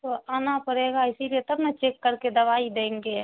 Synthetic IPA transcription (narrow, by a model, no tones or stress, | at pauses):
t̪oaːnapəɾeɡaɪsiliet̪əbnat͡ʃeːkːəɾked̪əʋaːid̪ẽːŋɡe